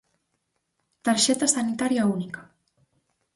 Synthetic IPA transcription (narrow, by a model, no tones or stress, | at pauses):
t̪aɾʒɛt̪asanit̪aɾiaunikḁ